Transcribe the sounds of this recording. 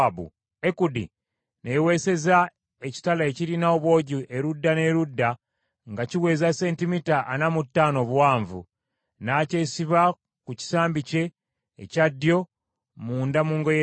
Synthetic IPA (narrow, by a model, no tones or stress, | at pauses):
bṵ | ekudḭ | newe̞se̞za | e̞ci̥talaeciɾinaoβwo̞ːɟiʔe̞ɾudːane̞ɾudːa | ŋɡaciwe̞ːzase̞ːntimitaʔːnamutːaːno̞βwaːɱvṵ | naːce̞ːsiβa | kuci̥saːmbice̞̰ː | cadːjo̞ | muːndamuːŋɡo̞je